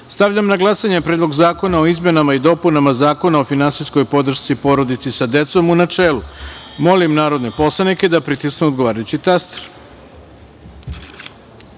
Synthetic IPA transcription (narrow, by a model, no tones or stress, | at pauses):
st̪aʋʎamnaɡlˠasaɲepɾed̪lo̞ɡzaːko̞nao̞izme̞namaid̪o̞punamazaːko̞nao̞finansijsko̞jpo̞d̪r̩ʃt̪sipo̞ɾo̞d̪it̪sisad̪e̞t̪so̞munat͡ʂeːlumo̞limnaːɾo̞d̪ne̞po̞slˠanike̞d̪apɾit̪isknuod̪ɡoʋaːɾajut͡ɕit̪ast̪eɾ